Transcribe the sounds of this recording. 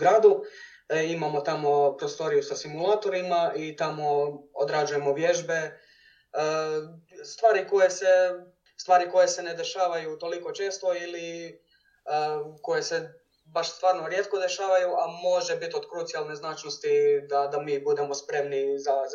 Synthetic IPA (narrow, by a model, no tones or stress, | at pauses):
ɡɾaːd̪u | imamo̞t̪amo̞pɾost̪o̞ɾijusasimulˠaːt̪o̞ɾimaʔit̪amo̞o̰d̪ɾad͡ʒuje̞mo̞ʋje̞ʒbe̞ | st̪ʋaːɾiko̞jese̞ | st̪ʋaːɾiko̞je̞se̞ne̞d̪e̞ʃaːʋajut̪o̞liko̞t͡ʃe̞ːst̪o̞ili | ko̞je̞se̞ | baʃst̪ʋaːɾnoɾje̞t̪̚ko̞d̪e̞ʃaːʋajuamo̞ʒebit̪o̞d̪kɾut̪sijalˠne̞znaːt͡ʃnost̪id̪ad̪amiːbud̪e̞mo̞spɾe̞mniza